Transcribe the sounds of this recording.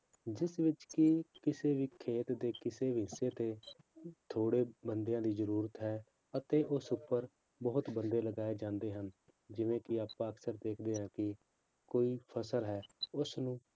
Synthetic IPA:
d͡ʒɪsʋɪt͡ʃkɪkɪseːʋiːkʰeːt̪d̪eːkɪseːʋɪseːt̪eː | t̪ʰoːɽeːbənd̪ejãːd̪iːzəɾuːɾət̪ɦɛː | ət̪eːʔʊsʊpːəɾ | bəːʊt̪bənd̪eːləɡaːeːd͡ʒãːnd̪eːɦən | d͡ʒɪʋẽːkɪaːpãːəksəɾd̪eːkʰd̪eːɦãːkɪ | koːiːpʰəsəlɦɛːʊsnũː

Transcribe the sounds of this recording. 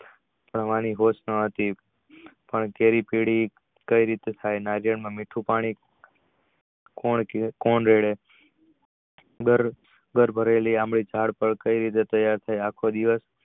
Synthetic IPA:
pəɽʋañiɦosnəɦət̪i | pəɳkeɾipiɽi | kəiɾit̪et̪ʰajnaɾjəɳmãmiʈʰũpaɽ̃i | koɳkoɳɾeɭe | ɡəɾ | ɡəɾbʱəɾeliamɭid͡ʒʱaɽpəɾkəiɾit̪et̪əjaɾt̪ʰajakʰod̪iʋəs

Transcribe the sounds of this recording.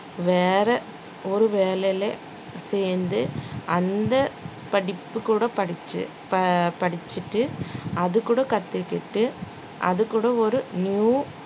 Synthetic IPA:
ʋeːɾɐ | ɔɾɯʋeːlɛle | seːnd̪ɯʔɐnd̪ɐ | pɐɽɪpːɯkuːɽɐpɐɪ | pɐɽɪt͡ʃːɯʈːɯɐðɯkːuːɽɐkɐt̪ːɪkːɪʈːɯ | ʔɐ̰ðɯkːuːɽɐɔɾɯnjuː

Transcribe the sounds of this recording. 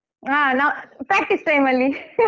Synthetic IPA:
aːnãːpɾaːk̚ʈisʈɐɪmɐlːi

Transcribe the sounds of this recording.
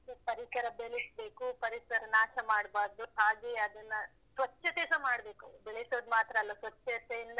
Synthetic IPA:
epɐɾikɐɾɐbeɭisbeːkupɐɾisɐɾɐnaːʃɐmaːɽbaːɾd̪uɦaːɡeɐd̪ɐnːɐ | sʋɐt͡ʃːɐt̪eːsɐmaːɽbe̞ːkubeɭesoːd̪maːt̪ɾɐɐlːɐsʋɐt͡ʃːɐsɐind̪ɐ

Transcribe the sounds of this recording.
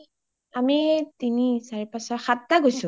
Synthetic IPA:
amitinisaɹipasɔxatːaɡojsʊ̃

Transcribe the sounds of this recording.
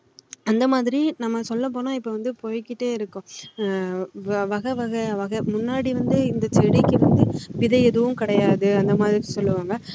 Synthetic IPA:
ɐnd̪ɐmaːðɪɾinɐmːɐsɔlːɐp̬oːnõɪpːɐʋɐnd̪ɯpojkːɪʈːeːɪɾɯkːʊ̃ | ʋɐɣɐʋɐɣɐʋɐɣɐmʊnːaːɽiʋɐnd̪ɯɪnd̪ɐt͡ʃɛɽɪkːɯʋɐnd̪ɯʋɪðɐɛðɯʋɯmkɪɽɐjaːðɯɐnd̪ɐmaːðɪɾisɔlːɯʋaːŋɡɐ

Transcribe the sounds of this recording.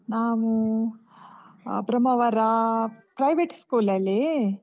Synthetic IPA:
naːʋu | bɾɐmɐʋɐɾɐpɾɐjʋeʈskuːlɐlːi

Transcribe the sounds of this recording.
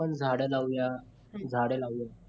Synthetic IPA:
ənd͡zʱaɽelawja | d͡zʱaɽelawja

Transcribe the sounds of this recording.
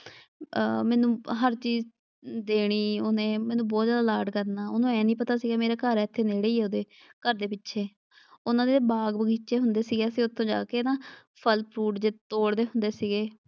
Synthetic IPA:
mɛ̃ːnũːɦəɾt͡ʃiːz | d̪eːɽ̃iːonẽːmɛ̃ːnũːbɔːt̪zjaːd̪aːlaːʈkəɾnaːoːnõːɛːnĩːpət̪aːsiːɡaːmeːɾeːkəɾɛːt̪ʰːeːneːɽeːiːɛːod̪eː | kəɾd̪eːpɪtːʃʰeː | ʊnãːd̪eːebaːɡbəɡiːt͡ʃeːɦʊnd̪eːsiːɡeːəsĩːʊt̪ʰːõːd͡ʒa̰ːkeːnaː | pʰəlpʰɾuːʈd͡ʒeːt̪oːɽd̪eːɦʊnd̪eːsiːɡeː

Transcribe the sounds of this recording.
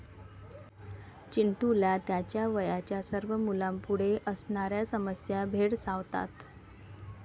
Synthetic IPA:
t͡ɕiɳʈulat̪jat͡ɕjaʋəjat͡ɕjasəɾʋəmulampuɽ̤eʔəsɳaɾjasəməsjabʱeɽsaʋt̪a̰t̪

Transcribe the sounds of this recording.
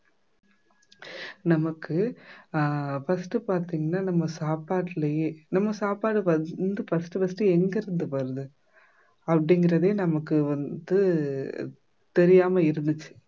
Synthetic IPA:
nɐmɐkːɯ | fɐsʈɯpaːɾt̪iːŋɡɐnːaːnɐmːɐsaːpaːʈːɪlɐjeːnɐmːɐsaːpaːɽɯʋɐd̪ɯfɐsʈɯʋɐsʈɯɛŋɡɐɾɯnd̪ɯpɐɾɐðɯ | ɐpːɐɽɪŋɡɪɾɐðeːnɐmɐkːɯʋɐnd̪ɯ | t̪ɛɾɪjaːmɐɪɾɯnd̪ɯt͡ʃːɯ̥

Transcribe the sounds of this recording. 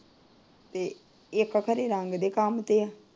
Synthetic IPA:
t̪e | eːkːakʰɐɾeɾãːŋɡd̪ekaːmt̪ea

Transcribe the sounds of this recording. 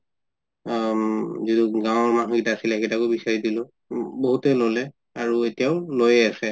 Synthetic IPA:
ziduɡãw̃ɔɹmanukitaːsilɛketakobisaɹidilʊ̃ | boɦutɛlolɛ | aɹuetijaʊlojɛasɛ

